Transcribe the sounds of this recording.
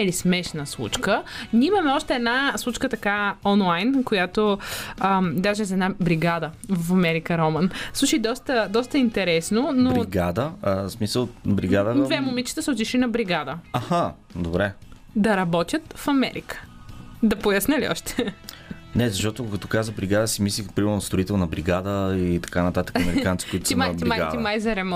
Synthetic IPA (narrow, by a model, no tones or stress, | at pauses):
ɛlismɛʃnəslˠṵt͡ʃkənʲiimɐmɛɔʃt̪ɛːd̪naslˠut͡ʃkət̪ɐkaɔnlˠajnkojat̪oəd̪aʒɛzɛd̪nabɾiɡad̪əvɐfɐmɛɾikəɾɔmənslˠuʃid̪ɔst̪əd̪ɔst̪əint̪ɛɾɛsnonoɾiɡa̰d̪əsmisəlˠbɾḭɡad̪əd̪vɛmʊmit͡ʃi̥t̪əsʊt͡ʃ̪iʃinɐbɾiɡad̪əɐxa | d̪obɾɛ | d̪ɐɾɐbɔt̪ʲjət̪fɐmɛ̰ɾikə̥d̪ɐpojɐsnəliɔ̰ʃt̪ɛ̥ | nɛzɐʃt̪ɔt̪okɐt̪ɔ̥kazəbɾiɡad̪əsimislipɾimɛɾnost̪ɾoit̪ɛlˠnɐbɾiɡad̪əit̪ɐ̥kanɐt̪at̪ə̥kɐmɛɾikant̪i̥koʊit̪simaimaja̰t̪imajzɐɾɛm